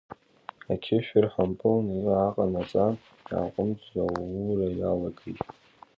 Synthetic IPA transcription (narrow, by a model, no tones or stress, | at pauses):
akʲʰɪʃᶣɪrħampʼɨlniraqʼanat͡sʼan | ja̰ːqʷʼʊmd͡zawurajalaɡejtʼ